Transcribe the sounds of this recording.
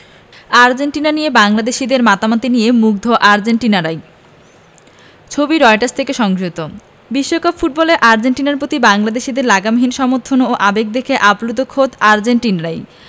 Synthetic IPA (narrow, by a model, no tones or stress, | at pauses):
aɾd͡ʑenʈinanijebaŋlad̪eʃid̪eɾmat̪amat̪inijemuk̚d̪ʱoʔaɾd͡ʑeɳʈinaɾaj | t͡ɕʰobiɾɔjʈaɾst̪ʰekeʃɔŋd͡ʑot̪o | biʃːokapfuʈ̚bɔleɾʔaɾd͡ʑeɳʈinaɾpɾot̪ibaŋlad̪eʃid̪eɾlaɡamɦinʃɔmoɾt̪ʰːonooʔabek̚d̪ekʰeʔaplud̪ʱokʰod̪aɾd͡ʑeɳʈinaɾaj